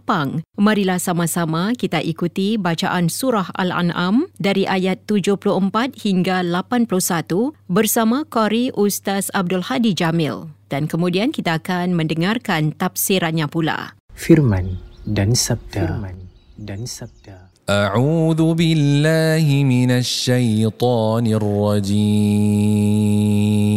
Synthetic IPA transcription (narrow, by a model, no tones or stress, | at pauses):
paŋmãɾilahsamãsamãkit̪aʔikut̪ibat͡ʃa̰ʔansuɾaha̰la̰nʔa̰mdaɾiʔajat̪ːud͡ʒʊhpuluəmpat̪̚hiŋɡalapanpulʊhsat̪ubərsamãkɔɾiʔust̪asab̚dʊlhadid͡ʒamɪ̰ld̥ankəmũdiankit̪aːkanmə̃ndəŋarkant̪afsiɾanɲãpula̰firmandans̚an̚ | ʔaʕuːðubɪlːaːɦɪmɪnaʃːajt̪ˤɑːnɪrːɑd͡ʒiːm